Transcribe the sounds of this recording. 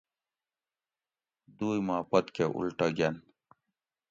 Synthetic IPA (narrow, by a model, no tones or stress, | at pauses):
d̪uːjmaːpɐt̪keʔṵlʈɐɡɐn